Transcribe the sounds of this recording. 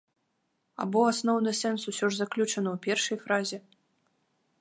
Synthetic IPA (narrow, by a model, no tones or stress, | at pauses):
a̰bɔasnɔwnɨsɛnsusʲɔʐzaklʲut͡ʂɐnɐwpʲɛrʂɐjfɾazʲɛ